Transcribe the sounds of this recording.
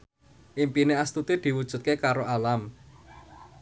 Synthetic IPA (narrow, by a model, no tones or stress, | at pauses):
ʔimpineast̪ut̪id̪̥i̤wud̥ʒ̥ṳt̪̚kekaɾoʔalam